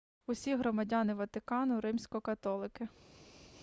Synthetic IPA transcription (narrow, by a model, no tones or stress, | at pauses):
usʲiɦɾɔmɐdʲanɪʋɐt̪ɪkɑnʊɾɪmsʲkɔkɐt̪ɔlˠɪkɪ